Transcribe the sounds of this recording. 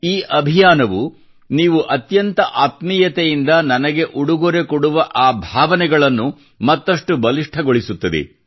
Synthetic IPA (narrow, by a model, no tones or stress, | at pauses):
iːʔɐbʱijaːnɐʋu | niːʋuʔɐt̪jɐnt̪ɐʔaːt̪miːjɐt̪ejind̪ɐnɐnɐɡe̞ʔuɽuɡoɾekɔɽuʋɐʔaːbʱaːʋɐnɛɡɐɭɐnːu | mɐt̪ːɐʂʈubɐliʂʈʰɐɡoɭisut̪ːɐd̪ḛ